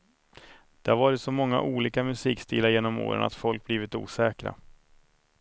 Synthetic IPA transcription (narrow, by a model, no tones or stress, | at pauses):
d̪̥ɛhaɾvɑːɾɪt̪sɔmɔŋːa̰ʔuːliːkamɵsiːkst̪iːlaɾjeːnɔmo̰ːɾə̰na̰t̪fɔlk̚bliːvɪt̪ṵːsɛːkɾa̰